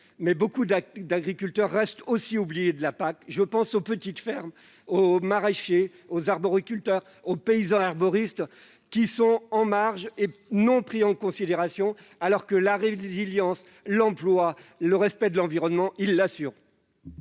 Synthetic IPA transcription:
mɛbokud̪d̪aɡʁikʲylt̪œʁːɛst̪ʰosiublijed̪əlapakʒəpɑ̃sopət̪it̪fɛʁm | omaʁeʃe | ozaʁbɔʁikʲylt̪œʁ | opeizɑ̃aʁbɔʁist̪ | kʲisɔ̃ɑ̃maʁʒenɔ̃pχiɑ̃kɔ̃sid̪eʁasjɔ̃ | alɔʁkəlaʁeziljɑ̃s | lɑ̃plwaləʁɛspɛd̪əlɑ̃viʁɔnmɑ̃ʔilːasyʁ

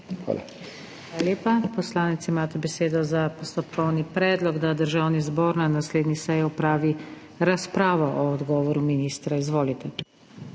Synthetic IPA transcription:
xa̰ːla̰ | xʋaːlaljeːpapɔslaːnɛt̪simaːt̪ɛbɛseːd̪ɔzapɔst̪ɔpkʰɔwnipɾɛːd̪lɔɡd̪ad̪əɾʒaːwnizboːɾnanasleːd̪nisɛjɛɔpɾaːʋi | ɾaspɾaːʋɔʔɔɔd̪ɡɔːʋɔɾuminiːst̪ɾaizʋoːlit̪ɛ

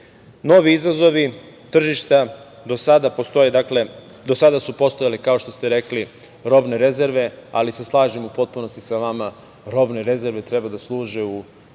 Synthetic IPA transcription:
no̞ʋiizazo̞ʋi | t̪r̩ʒiʃt̪a | d̪o̞sad̪apo̞st̪o̞jed̪akle̞ | d̪osad̪asupo̞st̪o̞jalekao̞ʃt̪o̞st̪e̞ɾe̞kli | ɾo̞bne̞ɾe̞ze̞ɾʋe̞alise̞slˠaːʒemupo̞t̪̚puno̞st̪isaʋama | ɾo̞bneɾe̞ze̞ɾʋe̞t̪ɾebad̪aslˠuːʒeu

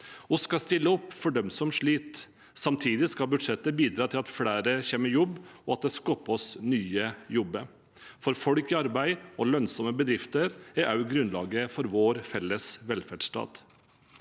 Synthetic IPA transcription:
ɔskɑst̪ɪlːəɔpːfɔɖœmsɔmʂɭiːt̪ | sɑmt̪ʰiːd̪ɪskɑbʉd̪ʂɛt̪ːəbiːd̪ɾɑːt̪ʰɪlɑt̪fɽæːɾəçeːməjɔbːɔɑt̪̚d̪ɛskɔpːɔsnyːəjɔbːə | fɔɾfɔɽkɪɑɾbæɪɔlœnsɔməbəd̪ɾɪft̪əɾæɾʔɑʉɡɾʉnlɑ̰ːɡəfɔɾʋoːɾfɛlːəsʋɛlfæɖʂt̪ɑ̰ːd̪̥

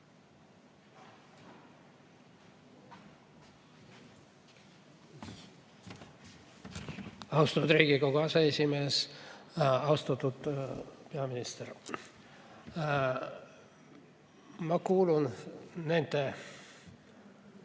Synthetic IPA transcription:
ɑwst̪ɑt̪ːud̪riːɡiko̞koɑseesʲimeːs | ɑwst̪ɑt̪ːud̪̥peɑminist̪er | mɑkuːlunne̞nd̪̥e

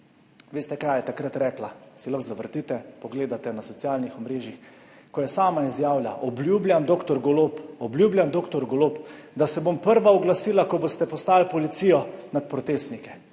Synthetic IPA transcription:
ʋeːst̪ɛkaːjɛt̪akɾat̪ɾɛːklasilaxzaʋəɾt̪it̪ɛpɔɡleːd̪at̪ɛnasɔt̪sijaːlnixɔmɾeːʒjix | kɔjɛsaːmaizjaːwlja̰ʔɔbljubljamd̪oːkt̪ɔɾɡolopɔbljuːblʲjamd̪oːkt̪ɔɾɡolopd̪asɛbompəɾʋaɔɡlasiːlakɔbost̪ɛpɔst̪aːlpɔlit̪sijɔnat̪̚pɾɔt̪eːst̪nikɛ

